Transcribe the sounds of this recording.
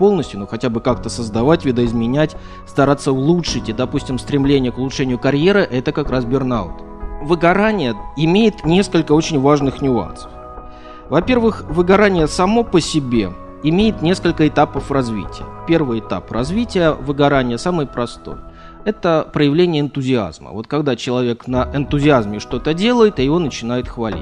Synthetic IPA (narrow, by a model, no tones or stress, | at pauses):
po̞lˠnəsʲt̪ʲjʊnoxɐtʲabɨkakt̪əsəzd̪ɐvatʲvʲɪd̪əɪzmʲɪnʲætʲ | st̪ɐɾat̪sːəʊlˠutʂɨtʲɪd̪ɐpusʲtʲɪmst̪ɾʲɪmlʲenʲɪjəkʊlˠʊtʂɛnʲɪjʊkɐɾʲje̞ɾɨʔɛt̪əkɐkɾasbʲɪrna̰ʊt̪ | vɨɡɐɾanʲɪjəɪmʲejɪt̪nʲe̞skəlʲkəot͡ɕɪnʲvaʐnɨxnʲʊa̰nsə̥f | vɐpʲe̞rvɨxvɨɡɐɾanʲɪjəsɐmo̞pəsʲɪbʲe̞ | ɪmʲejɪt̪nʲe̞skəlʲkəɪt̪apəfrɐzvʲḭtʲɪjə̰pʲe̞rvɨjɪt̪a̰prɐzvʲitʲɪjəvɨɡɐɾanʲɪjəsamɨjpɾɐst̪o̞̰j | ɛt̪əpɾəjɪvlʲenʲɪjəɪnt̪ʊzʲɪa̰zmə̰vo̞t̪̚kɐɡd̪at͡ɕɪlˠɐvʲe̞knəʔɪnt̪ʊzʲɪazmʲɪʂt̪o̞t̪ədʲe̞lˠəjɪt̪ɐjɪvo̞nət͡ɕɪnajɪt̪xvɐlʲḭt̚ʲ